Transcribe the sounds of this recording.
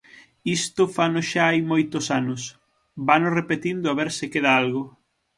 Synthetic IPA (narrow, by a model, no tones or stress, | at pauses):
ist̪ʊfanʊsʃaajmojt̪ʊsanʊs | banʊsrepet̪ind̪ʊaβeɾsɪkeðaalɣʊ